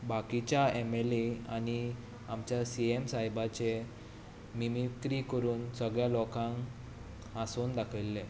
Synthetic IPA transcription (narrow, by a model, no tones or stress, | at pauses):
bakit͡ɕjaemeleañi | amt͡ɕjasiemsajbat͡ɕe | mimikɾikəɾuːnsəɡɭjalɔkãŋ | asoːnd̪akʰəlːe